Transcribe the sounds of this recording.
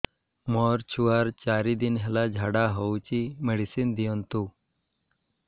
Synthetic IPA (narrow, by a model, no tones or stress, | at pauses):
mɔɾt͡ɕʰuaɾt͡ɕaɾid̪inɦɛlad͡ʑʱaɽaɦəwt͡ɕimeɽisind̪ijənt̪u